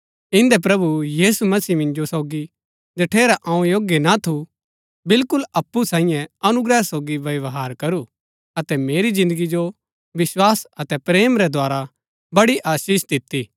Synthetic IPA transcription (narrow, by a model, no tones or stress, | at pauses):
ɪ̃nd̪ɛpɾɐbujiːsumɐsiːmɪ̃nd͡ʒosoːɡi | d͡ʒɐʈʰeːɾaʔɐ̃ũjoːɡjenat̪ʰu | bɪlkʊlɐpːusaːɪ̃jɛ̃ɐnʊɡɾɛsoːɡiʋɐʋɦaːɾkɐɾu | ɐt̪ɛmeːɾizɪ̃nd̪əɡid͡ʒo | ʋɪswaːsɐt̪ɛpɾeːmɾɛd̪ʱwaːɾa | bɐɽiʔaːʃiːʃd̪ɪt̪ːiː